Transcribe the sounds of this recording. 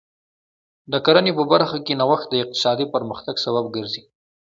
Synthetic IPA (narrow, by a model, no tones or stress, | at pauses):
d̪əkaɾanepəbaɾxakenawaxt̪̚d̪əɪq̚t̪ɪ̥sɑd̪ipəɾməxt̪aɡsababɡəɾzi